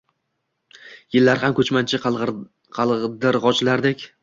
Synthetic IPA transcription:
jɪlːaɾhamkʰʲɵt͡ʃmant͡ʃʰɪ | qʰɑlˠd̪ɪɾʁɒt͡ʃlaɾd̪ekʲ

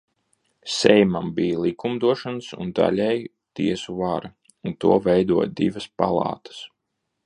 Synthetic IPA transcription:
sʲɛjmambijalˠikumd̪uɔʃansṵnd̪a̰lʲɛj | t̪iɛsuvaɾa | unt̪uɔvɛjd̪uɔjd̪ivɐspalˠɑ̰ːt̪ḁs

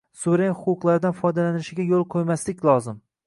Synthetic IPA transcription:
sʊɾenχʊqʊqlˠaɾɪd̪anfɒjd̪alanɪʃɪɡʲajolˠqʰojmaslɪkʲlˠɒzɪm

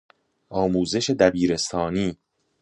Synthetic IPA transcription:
ʔɒːmuːze̞ʃe̞d̪æbiːɾe̞st̪ʰɒːniː

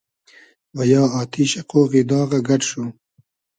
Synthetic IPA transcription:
wajɑːɑːt̪ʰiʃaqoːɣid̪ɑːɣaɡaʈʃo

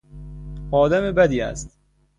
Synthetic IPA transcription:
ɒːd̪æmebæd̪iːæ̰st̪

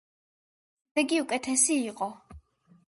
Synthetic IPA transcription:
d̪̥ɛɡiukʼɛt̪ʰɛsiːqʼɔ

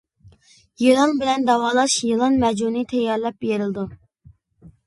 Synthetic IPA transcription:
jɨlˠɑnbɪlɛnd̪ɑwɑːlˠɑʃjilˠɑnmɛd͡ʒunɨt̪ʰɛjːɑɾlɛp̚jeɾɪld̪u

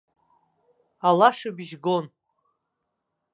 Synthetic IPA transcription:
alaʂɨbiʒɡon

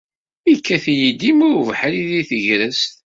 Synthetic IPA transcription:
ikːæθjid̪imʊɾvħɾiðiθəʝɾəst̪

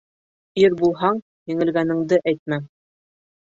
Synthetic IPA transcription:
iɾbulˠɦɑɴ | jɘ̆ŋɘ̆lɡænɘ̆ŋd̪ɘʔæjt̪̚mæ

